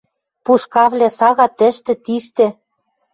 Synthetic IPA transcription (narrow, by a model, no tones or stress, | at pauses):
puʃkɑvlʲesɑɣɑt̪ɘ̆ʃt̪ɘ̆t̪iʃt̪ĕ